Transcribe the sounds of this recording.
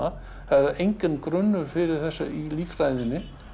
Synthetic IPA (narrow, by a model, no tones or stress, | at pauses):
a | θaɾaɾejɲcɪnːkɾʏnːʏɾfɪɾɪɾ̥θɛsːailiːfrajðɪnːɪ